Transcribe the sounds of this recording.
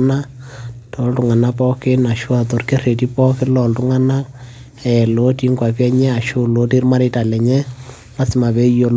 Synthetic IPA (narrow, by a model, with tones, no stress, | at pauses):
na˦tʰɔ˨˦ltu˨ŋa˨na˦pɔ˦kɪ˦na˨ʃwa˨to˨rke˦re˨ti˦pɔ˦kɪ˦lɔ˨ltʊ˦ŋa˦na˦ | ɛ˨lo˦ti˦ŋɡwa˨pɛ˦ɲɛ˦a˨ʃʊ˦lo˦ti˦ɾma˦ɾɪ˦ta˨lɛ˨ɲɛ˦ | la˦sɪ˨˦ma˨be˦jo˨l